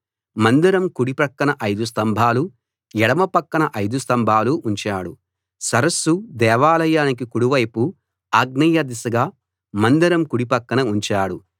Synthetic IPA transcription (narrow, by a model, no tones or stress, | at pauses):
mɐnd̪iɾɐmkuɽipɐkːɐnɐʔɐjd̪us̬t̪ɐmbʱaːlu | ɛɽɐmɐpɐkːɐɳɐʔɐjd̪ust̪ɐmbʱaːluʔuɲt͡ʃaːɽṵ | sɐɾɐsːud̪ɛːʋaːlɐjaːnik̬ikuɽuʋɐjpu | aːɡnɐjɐd̪isɐɡaː | mɐnd̪iɾɐmkuɽipɐkːɐnɐuɲt͡ʃaːɽu